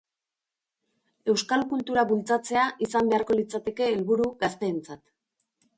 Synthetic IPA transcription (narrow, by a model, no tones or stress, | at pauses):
e̞wskalkult̪uɾaβult͡sat͡se̞aʔisambe̞aɾko̞lit͡sat̪e̞ke̞ːlβuɾuɣast̪e̞ːnt͡sat̪